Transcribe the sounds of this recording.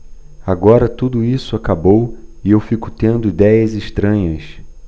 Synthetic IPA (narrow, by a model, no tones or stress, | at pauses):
aɡɔɾɐt̪ud̪ʊisʊakabowɪewfikʊ̥t̪ẽnd̪ʊid̪ɛjɐzɪʃt̪ɾɐ̃ɲɐs